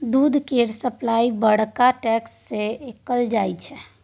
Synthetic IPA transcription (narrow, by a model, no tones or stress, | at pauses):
d̪ud̪ʱkeɾsəplaibəɽ̤kaʈɛksːeekəld͡ʒajt͡ʃʰɛ